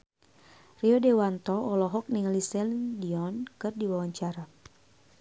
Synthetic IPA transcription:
riɔdɛwant̪ɔɔlɔɦɔk̚niŋlisɛldiɔnkɨrdiwawaɲt͡ʃaɾa

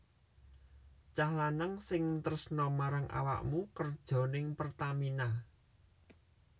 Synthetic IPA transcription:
t͡ʃahlanəŋsɪŋt̪əɾəsnɔmaɾaŋʔa̰wa̰ʔmukərd̥ʒ̥ɔ̤nɪŋpərt̪amina

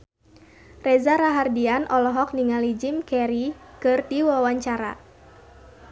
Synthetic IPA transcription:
rɛzaɾaɦardianʔɔlɔɦɔk̚niŋalid͡ʒimkɛɾikɨrdiwawaɲt͡ʃaɾa̰

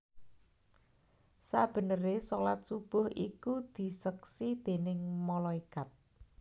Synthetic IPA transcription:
sab̥ə̤nəɾesolat̪̚sub̥ʊ̤hʔikud̪̥i̤səksid̪̥e̤nɪŋmɔlɔikat̪̚

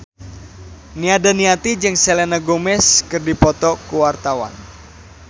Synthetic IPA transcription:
niadaniat̪id͡ʒɨŋselɛnaɡomɛskɨrdipɔt̪ɔkuwart̪awa̰n

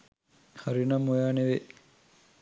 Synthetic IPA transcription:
haɾinɐmːojaːneʋe

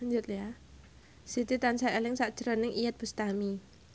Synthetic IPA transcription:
ɲd͡ʒʊt̪lja | sit̪it̪ansaelɪŋsaʔd̥ʒ̥əɾɔnɪŋijat̪̚b̥ə̤st̪ami

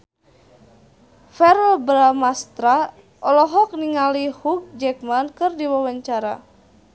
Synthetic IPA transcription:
fɛɾlbɾamast̪ɾa | ʔɔlɔɦɔk̚niŋalihuk̚d͡ʒɛkmankɨrdiwawaɲt͡ʃaɾa̰

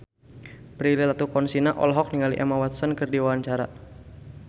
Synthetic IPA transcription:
pɾililat̪ukɔnsinaʔɔ̰lɦɔk̚niŋaliʔɛmawat̪sɔnkɨrdiwawaɲt͡ʃaɾa

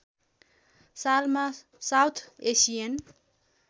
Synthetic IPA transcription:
salma | sawt̪ʰesijʌn

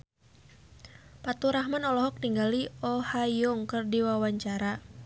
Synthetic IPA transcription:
pat̪uɾahmanɔlɔɦɔk̚niŋɡaliɔhajɔŋkɨrdiwawaɲt͡ʃaɾa

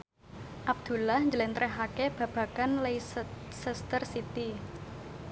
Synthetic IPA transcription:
ʔab̚d̪̥ṳlahɲd͡ʒəlent̪ɾʔɛɦakeb̥ä̤b̥a̤kanlejsəst̪ərsit̪i

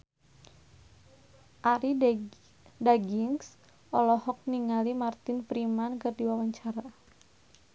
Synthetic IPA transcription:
ʔaɾi | daɡiŋs | ʔɔlɔhɔk̚niŋalimart̪ɪnfɾimankɨrdiwawaɲt͡ʃaɾa

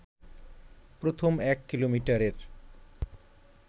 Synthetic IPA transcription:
pɾot̪ʰomɛkːilomiʈaɾeɾ

